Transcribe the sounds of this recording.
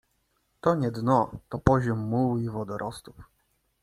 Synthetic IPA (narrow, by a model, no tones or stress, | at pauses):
t̪ɔɲɛd̪nɔt̪ɔpɔʑɔmːuwivɔd̪ɔɾʔɔst̪u̥f